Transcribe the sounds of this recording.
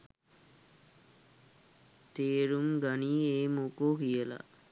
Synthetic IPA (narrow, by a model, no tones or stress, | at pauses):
t̪eːɾumɡanieːmukokijəla̰